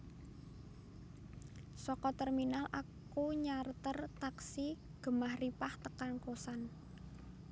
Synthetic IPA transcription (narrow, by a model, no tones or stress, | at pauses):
sɔkɔt̪ɛrminalʔak | uɲart̪ərt̪aksi | ɡ̥ə̤mahripaht̪əkankosan